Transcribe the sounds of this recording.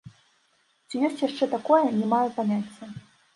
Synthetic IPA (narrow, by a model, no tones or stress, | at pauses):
t͡ɕʲijɔsʲtʲjaʂt͡ʂɛt̪akɔjɐnʲɛmajupanʲat͡sʲːɛ